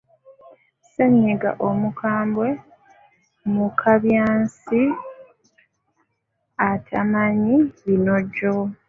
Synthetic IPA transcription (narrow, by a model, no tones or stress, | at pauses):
seɲːeɡa̰ʔomukʰaːmbwe̞ | mukʰaβjaːnsi | atʰamaɲiβino̞ɟo̞